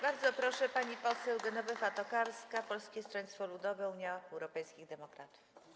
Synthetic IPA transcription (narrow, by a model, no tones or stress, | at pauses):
baɾd̪zɔpɾɔʂɛpaɲipɔsɛwd̪ɛnɔvɛfat̪ɔkaɾskapɔlskʲɛst̪ɾɔɲt̪t̪fɔlud̪ɔvɛuɲjaɛwɾɔpɛjskʲiɣd̪ɛmɔkɾat̪u̥f